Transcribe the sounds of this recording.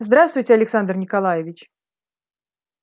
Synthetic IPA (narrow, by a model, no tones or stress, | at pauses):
zd̪ɾast̪vʊjtʲɪɐlʲɪksand̪rnʲɪkalˠajɪvʲɪt͡ɕ